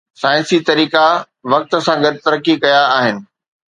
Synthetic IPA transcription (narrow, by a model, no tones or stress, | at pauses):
saːɪ̃nsit̪ɐɾiːka | ʋɐk̚t̪̆sãɡɐd̪̚t̪ɐɾəkːikɐjaːɦɪnɪ̆